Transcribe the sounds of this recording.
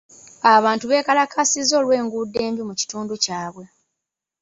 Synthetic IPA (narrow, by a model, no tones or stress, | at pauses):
aβaːntuβe̞ːkalakʰasizo̞ːlwe̞ːŋɡuːdːe̞ːmbjumuci̥tuːnducaːβwe̞